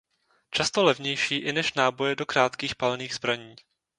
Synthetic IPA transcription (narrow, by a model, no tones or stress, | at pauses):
t͡ʃast̪olɛvɲɛjʃiːʔɪnɛʃnaːbo̞jɛdo̞kɾaːt̪kiːxpalniːɣzbɾaɲiː